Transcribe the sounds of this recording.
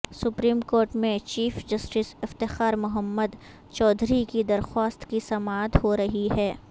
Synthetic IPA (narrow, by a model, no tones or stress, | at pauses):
sʊpɾiːmkoːɾʈmẽt͡ʃiːfd͡ʒɐsʈɪsɪft̪ɪxaːɾmʊɦəmːəd̪ | t͡ʃɔːd̪ʱɾikid̪ɐɾxaːst̪kisɐmaːt̪ɦoɾɐɦiɦɛː